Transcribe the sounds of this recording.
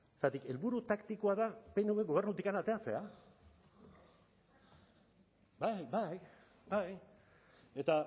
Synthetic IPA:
esat̪ike̞lβuɾut̪akt̪ikoaðape̞nuwβeɡo̞β̞e̞ɾnut̪ikanat̪e̞at͡se̞a | bajbaj | baj | e̞t̪a

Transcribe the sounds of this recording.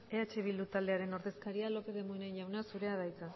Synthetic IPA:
eat͡ʃe̞βild̪ut̪ald̪e̞aɾe̞no̞ɾðe̞skaɾialo̞pe̞ðe̞moneɲʎawnasuɾe̞að̞ajt͡sa

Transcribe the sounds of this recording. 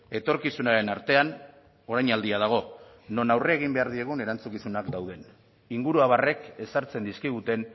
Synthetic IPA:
e̞t̪o̞ɾkisunaɾe̞naɾt̪e̞an | o̞ɾajɲald̪iað̞aɣ̞o̞no̞nawre̞ːɣ̞imbe̞aɾðie̞ɣ̞une̞ɾant͡sukisunakd̪awð̞e̞n | iŋɡuɾuaβ̞are̞ke̞saɾt͡se̞nd̪iskiɣut̪e̞n

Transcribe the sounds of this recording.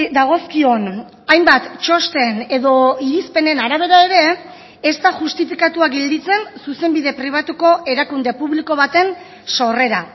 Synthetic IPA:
d̪aɣ̞o̞skio̞n | ajmbat̪t͡ʃo̞st̪e̞ne̞ðo̞iɾispe̞ne̞naɾaβ̞e̞ɾae̞ɾe̞ː | st̪aʝust̪ifikat̪uaɡe̞ld̪it͡se̞nsuse̞mbiðe̞pɾiβ̞at̪uko̞ʔe̞ɾakund̪e̞puβliko̞β̞at̪e̞n | so̞re̞ɾa

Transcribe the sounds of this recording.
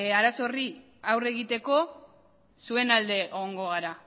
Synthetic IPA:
aɾaso̞ri | awre̞ɣ̞it̪e̞ko̞ | sue̞nald̪e̞ʔeɣ̞o̞ŋɡo̞ɣ̞aɾa

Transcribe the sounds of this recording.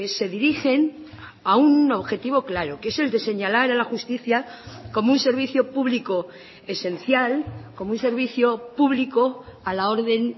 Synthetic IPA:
ese̞ðiɾixe̞n | auno̞βxe̞t̪iβo̞klaɾoke̞se̞ld̪e̞se̞ɲalaɾalaxust̪iθjako̞munse̞ɾβ̞iθjopuβliko | e̞se̞n̟θjalko̞mounse̞ɾβiθjo̞puβlikoalao̞ɾðe̞n

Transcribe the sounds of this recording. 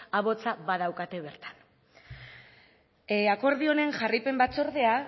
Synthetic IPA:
aβo̞t͡saβað̞awkat̪e̞β̞e̞ɾt̪ḁn | ako̞ɾð̞io̞ne̞ŋʝaripe̞mbat͡so̞ɾðe̞a

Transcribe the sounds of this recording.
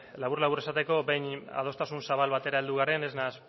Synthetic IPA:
laβ̞uɾlaβuɾesat̪e̞ko̞be̞ɲa̰ð̞o̞st̪asunsaβ̞alβat̪e̞ɾae̞ld̪uɣaɾe̞ne̞znas

